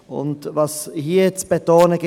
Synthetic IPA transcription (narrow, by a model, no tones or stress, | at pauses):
ʊ̰ntvɑshiːt͡sb̥etoːnəɡɪ